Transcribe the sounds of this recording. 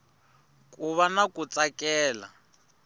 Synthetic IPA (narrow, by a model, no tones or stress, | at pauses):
kʼuβanakʼut͡sʼakʼɛːla̰